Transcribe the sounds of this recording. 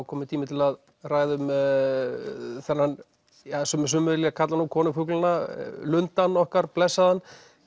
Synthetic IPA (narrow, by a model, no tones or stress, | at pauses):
kʰɔːmɪt̪ʰiːmɪt̪ʰɪlað | raːjðɪʏm | θɛnhan | asʏms̬ʏmʏðliɣakʰat̪lanukʰɔːnʏfʏklʏnalʏnt̪anːɔhkaɾplɛsːaðanː